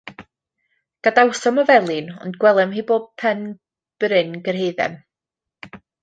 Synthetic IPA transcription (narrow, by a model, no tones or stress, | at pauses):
ɡ̥adawsɔmɔvɛlˠɨnɔ̰ndɡwɛlˠɛmɦiboːb̚pʰɛn | b̥ɾɪnɡərɦejðɛ̰m